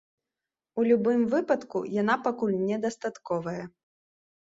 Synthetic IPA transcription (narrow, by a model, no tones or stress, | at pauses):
ulʲubɨmvɨpɐt̪kṵjanapakulʲnʲɛd̪ɐst̪at̪kɔvɐjɐ